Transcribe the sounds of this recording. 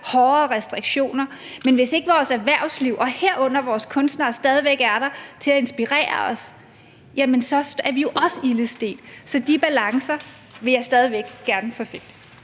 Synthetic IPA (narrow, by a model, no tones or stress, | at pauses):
hɒːɐʁɛsd̥ʁiɡ̥ɕo̝̰ːnɐ | menʋe̝se̝ɡ̥əʋɒːsæɐʋæɐ̰sliʊ̰ʔɒ̽heɐ̰ɔ̽n̰ɐʋɒːskʰɔ̽nsd̥nɑːsd̥ɛːð̞ˠiʋeɡ̥æɐɾɑ̈t͡sʰe̝læe̝nsb̥iʁɛ̰ːɐɒ̽s | jæmənsɒ̽sæɐʋijo̝ʔɒ̽səiləsd̥e̝̰ːd̥sɒ̽d̥ib̥ælɑ̈ŋsɐ | ʋe̝jɑ̈ɪsd̥ɛð̞ˠiʋeɡ̥ɡ̥æɐnəfɒ̽feɡ̥̚d̥